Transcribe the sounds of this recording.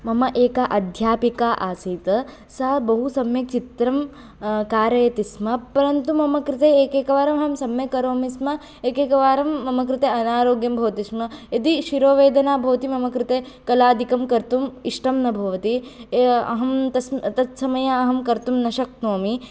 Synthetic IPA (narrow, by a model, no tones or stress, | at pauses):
mɐmɐʔeːkaʔɐd̪ʱjaːpikaːʔaːsiːt̪ɐ | saːbɐɦusɐmjɐt͡ʃit̪ɾɐm | kaːɾɐjɐt̪ismɐpɐɾɐnt̪umɐmɐkɾɪt̪eːeːkeːkɐʋaːɾɐmɦɐmsɐmjɐkɐɾoːmismɐ | eːkeːkɐʋaːɾɐmːɐmɐkɾɪt̪eːɐnaːɾoːɡjɐmbʱɐʋɐt̪ismɐed̪iʃiɾoːʋeːd̪ɐnaːbʱɐʋɐt̪imɐmɐkɾɪt̪eː | kɐlaːd̪ʱikɐmkɐɾt̪umiʂʈɐmnɐbʱɐʋɐt̪i | ɐ̰ɦɐmt̪ɐst̪ɐt̪sɐmɐjɐɐɦɐmkɐɾt̪umnɐʃɐknoːmi